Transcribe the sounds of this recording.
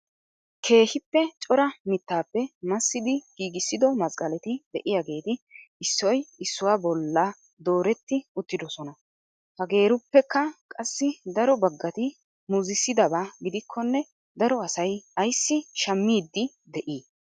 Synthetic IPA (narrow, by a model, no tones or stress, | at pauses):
kʰe̞ːhɪpːɛt͡ʃʼɔɾɐmɪt̪ːaːpːɛmɐsːɪd̪ɪɡ̥iːɡɪsːɪd̪ɔmɐszɡɐlɛt̪ɪd̪̥ɛʔɪjaɡe̞ːt̪ɪɪsːɔjɪsːʊwaːbɔlːa | d̪o̞ːɾɛt̪ːɪʊt̪ːɪd̪ɔsɔnɐ | hɐɡe̞ːɾʊpːɛkːɐkʼɐsːɪd̪ɐɾɔbɐɡːɐt̪ɪ | mʊzɪsːɪd̪ɐbaːɡɪd̪ɪkʰːɔnːɛ | d̪ɐɾɔɐsɐjɐjsːɪʃɐmːiːd̪ːɪ | d̪ɛʔiː